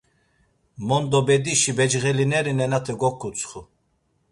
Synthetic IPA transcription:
mɔnd̪ɔbɛd̪iʃibɛd͡ʒɣɛlinɛɾinɛnat̪ʰɛɡɔkʰːut͡sʰχu

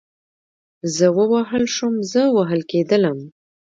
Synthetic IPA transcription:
zəwəwaɦəlʃumzəwaɦəlked̪ələm

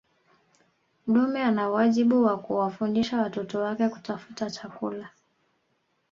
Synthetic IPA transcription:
m̩ɗumɛanawaʄiɓuwakuwafundiʃawatɔtɔwakɛku̥tafutat͡ʃakula

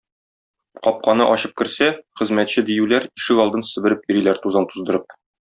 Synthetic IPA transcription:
qɒp̚qɑnɤʔɒɕɤp̚kɘ̆ɾsæχɘ̆zmæt̪ɕɘd̪ijʉlæɾiʃɘkɒlˠd̪ɤnsɘ̆bɘ̆ɾɘp̚iɾilæɾt̪uzɑnt̪uzd̪ɤ̆ɾɤp̚

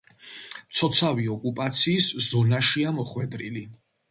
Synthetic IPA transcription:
t̪sʰɔt̪sʰaviɔkʼupʼat̪sʰiːszɔnaʃiamɔχwɛd̪ɾili

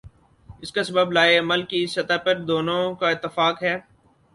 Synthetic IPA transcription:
ɪskasɐbəblaːeɐməlkisɐt̪apɐɾd̪oːnõkaɪt̪ːɪfaːkɦɛː

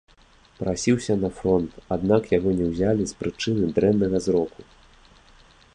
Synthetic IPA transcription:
pɾasʲiwsʲɐnɐfɾɔnt̪ad̪nakjaɣɔnʲɛwzʲalʲispɾɨt͡ʂɨnɨd̪ɾɛnːɐɣɐzɾɔku

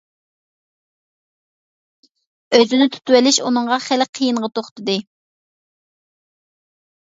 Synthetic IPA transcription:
øzɪnɪt̪ʰy̥t̪wɛlɪʃunɨŋʁɑχælqʰəjiɴʁət̪oχt̪ɨd̪ɨ

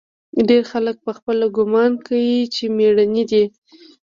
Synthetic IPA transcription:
ɖeɾxalək̚pəxpəlɡʊmɑnkawit͡ʃemeɽanid̪i

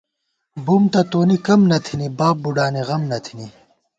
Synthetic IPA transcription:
bumt̪ɐt̪oːnikɐmnɐt̪ʰinibaːb̚buɖaːniʁɐmnɐt̪ʰini

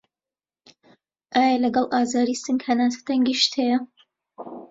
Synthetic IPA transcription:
ʔaːjɐlɐɡɐlˠʔaːzaːɾiːsɨŋɡhɐnaːsɐ̥t̪ɐŋɡiːʃt̪hɛjɐ

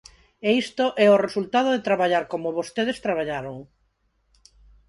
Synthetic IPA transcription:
eist̪oʔɛoresult̪að̞oðet̪ɾaβaʎaɾkomoβost̪eð̞est̪ɾaβaʎaɾoŋ

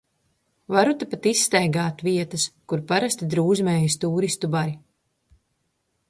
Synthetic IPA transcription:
vaɾut̪apat̪isːt̪ɛjɡaːt̪viɛt̪ɐskuɾpaɾast̪id̪ɾuːzmɛːjist̪uːɾist̪ubaɾi

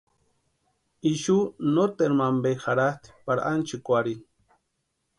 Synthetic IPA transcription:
iʃunot̪eɾmambexaɾat̪i̥paɾaʔant͡ʃikʷaɾi

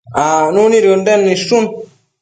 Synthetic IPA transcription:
anuniɾondanːiʃun

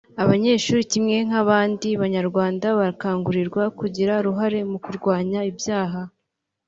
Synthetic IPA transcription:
aβaɲe̞ːʃuːɾicimŋe̞ŋ̥aβaːndiβaɲaɾɡwaːndaβaɾkaːŋɡuɾiɾɡwakuɟiɾaɾuɦaɾe̞mukuɾɡwaːɲaibjaːɦa

